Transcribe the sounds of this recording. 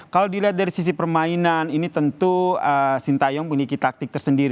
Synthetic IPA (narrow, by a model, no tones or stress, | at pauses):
kalawdiliɦat̪̚daɾisis̬ipərmainaninit̪ənt̪uəsint̪ajɔŋpuɲikit̪ak̚t̪ɪk̚t̪ərsəndiɾi